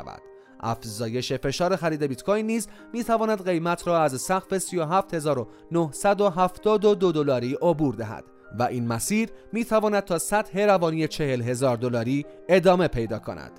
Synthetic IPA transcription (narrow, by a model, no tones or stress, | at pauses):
væ̰d̪̥ | ʔæ̰fzɒːje̞ʃe̞fe̞ʃɒːɾe̞xæɾiːd̪e̞bit̪kʰojnːiːzmiːt̪ʰævɒːnæd̪ɢe̞jmæt̪ʰɾɒːæzsæɣfe̞sijo̞ɦæːft̪he̞zɒːɾo̞ | nohsæd̪o̞ɦæft̪ɒːd̪od̪od̪olɒːɾiːʔobuːɾd̪æɦæ̰d̪̥ | væʔiːnmæsiːɾmiːt̪ʰævɒːnæd̪̚t̪ʰɒːsæt̪he̞ɾævɒːnije̞t͡ʃʰe̞he̞lɦe̞zɒːɾd̪o̞lɒːɾiː | e̞d̪ɒːme̞pʰe̞jd̪ɒ̰ːkʰo̰næ̰d̪̥